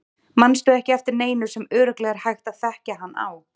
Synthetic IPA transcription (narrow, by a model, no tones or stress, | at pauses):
manːst̪œɛhcɪɛft̪ɪɾneːjnʏɾ̥sɛmœːɾʏklɛːɣaɾ̥hajxt̪aðθɛhcaɦanːa̰w